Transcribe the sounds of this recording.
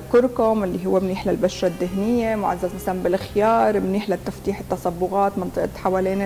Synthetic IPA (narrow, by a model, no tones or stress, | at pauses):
kʊɾkomʔɪlːiɦʊwːemniːħlalbaʃɾˤad̪ːɪɦnɪjːemʊʕa̰zːazmasalambɪlʔxjɑːɾˤmniːħlat̪ːaft̪iːħɪt̪ːasˤabːʊɣaːt̪mɑnt̪ˤɨʔt̪ħawaleːn